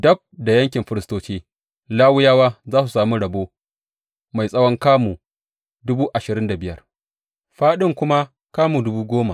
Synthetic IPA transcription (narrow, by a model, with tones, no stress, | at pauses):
dɐ˦b̚da˨jɐ˦ŋkʲɪ˨mɸɪ˦ɾɪ˦stoː˦t͡ʃeː˦ | laː˦wʊ˦jaː˦waː˦zaː˦su˨saː˨mu˦ɽɐ˨boː˦ | ma˨jsʼɐ˦wɔ˦ŋkaː˦muː˨ | dʊ˦buː˦ʔa˨ʃɪ˨ɾɪ˦nda˨bɪ˦jɐ˨r | ɸaː˦ɗɪ˦ŋkʷʊ˦ma˦ | kaː˦muː˨dʊ˦buː˦ɡʷoː˦ma˨